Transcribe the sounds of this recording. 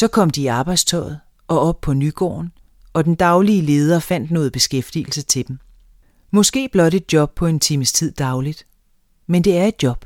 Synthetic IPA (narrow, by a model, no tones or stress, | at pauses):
sɒ̽kʰɒ̽m̰d̥iːɑ̈ːb̥ɑ̈ɪd̥st͡sʰɒ̰̽ɪð̞̩ˠ | ʔɒ̽ɒ̽b̥̚pʰɒ̽nyɡ̥ɒ̰ːn | ɒ̽d̥end̥ɑ̈ʊliəle̝ːð̞ˠɐfæn̰d̥noːð̩ˠb̥e̝sɡ̥efd̥ḭːl̩sət͡sʰe̝d̥em | mɔ̽sɡ̥e̝̰ːb̥lɒ̽ɾe̝d̥̚djɒ̽b̥̚pʰɒ̽e̝nt͡sʰiːməst͡sʰið̞̰ˠd̥ɑ̈ʊlid̥ | mend̥e̝æɐe̝d̥̚djɒ̽b̥